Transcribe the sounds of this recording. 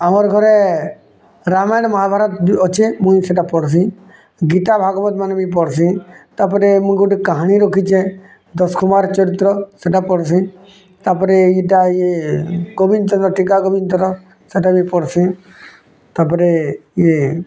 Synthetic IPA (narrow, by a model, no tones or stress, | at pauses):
aməɾɡʱɔɾe | ɾamaɽməɦabʱaːɾət̪ɔt͡ʃʰemũĩseʈapɔɽs̬ĩ | ɡit̪abʱaːɡɔbət̪manebʱipɔɽsĩt̪apəɾemũɡuʈikəɦaɽ̃iɾokʰit͡ʃʰe | d̪ɔskʊmaːɾt͡ʃɔɾit̪ɾɔseʈapɔɽsĩ | t̪apəɾejiʈajeɡobint̪ənɔʈikaɡobint̪ɾɔ | seʈabʱipɔɽsĩ | t̪apəɾeje